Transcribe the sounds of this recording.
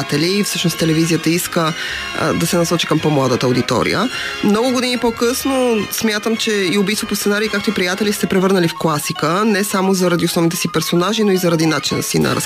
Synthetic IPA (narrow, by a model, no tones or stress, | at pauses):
at̪ɛliːfsɤʃnost̪ɛlɛvizijət̪əiskə | d̪ɐsɛnɐsɔt͡ʃi̥kəmpɔmlˠad̪ət̪əod̪it̪ɔ̰ɾḭjə̰mnɔɡʊɡod̪inipɔkɤsnosmʲjat̪əmt͡ʃɛiobist̪vopost̪sɛnaɾiːkak̚t̪oipɾijat̪ɛlist̪ɛpɾɛvɤɾnəlifklˠasikənɛsamozɐɾɐd̪iosnɔvnit̪ɛsipɛɾsonaʒinoizɐɾɐd̪inat͡ʃinə̰sinɐ̰ɾɐ̰s